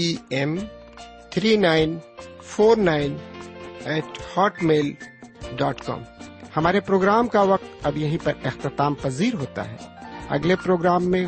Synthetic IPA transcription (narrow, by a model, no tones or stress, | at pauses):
iɛm | t̪ʰɾiːnaːɪnfʰoːɾnaːɪn | ɛːʈhɔːʈmeːlɖɔːʈkɔ̰ːmhɐmaːɾepɾoːɡɾaːmkaʋɐq̚t̪ɐbjɐɦĩpɐɾɪxt̪ɪt̪aːmpɐziːɾɦoːt̪a̰ɦɛ̰ːɐ̰ɡlepɾoːɡɾaːmːẽ